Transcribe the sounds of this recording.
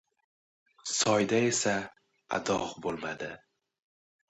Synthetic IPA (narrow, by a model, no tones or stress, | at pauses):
sɒjd̪ae̞sa | a̰d̪ɒ̰ʁbolˠmad̪ɪ